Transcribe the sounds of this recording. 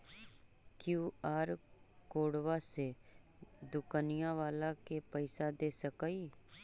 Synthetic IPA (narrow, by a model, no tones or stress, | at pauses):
kjuːaːɾ | koːɽʋase | d̪ʊkanɪijãʋaːlakepəɪsad̪eːsəkai